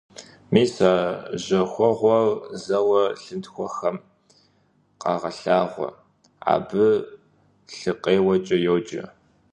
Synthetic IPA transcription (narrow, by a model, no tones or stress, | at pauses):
miːsaːʑɐxʷɔʁʷɔrzɐwɐɬɨntxʷɔxɐm | qɑːʁɐɬaːʁʷɔ̰ | a̰ːbɨ | ɬɨqʼeːwɐt͡ʃʼɐjoːd͡ʒʼɐ̰